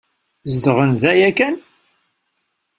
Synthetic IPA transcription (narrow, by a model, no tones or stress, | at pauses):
zd̪ʁənðæjækːæn